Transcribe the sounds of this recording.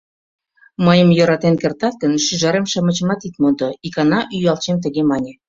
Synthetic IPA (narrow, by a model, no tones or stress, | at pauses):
məjəmjoɾɑt̪enkert̪ɑt̪̚kənʃyʒɑɾemʃɑmət͡ɕə̆mɑt̪it̪mond̪oikɑnɑʔyjɑlt͡ɕemt̪əɣemɑnʲĕ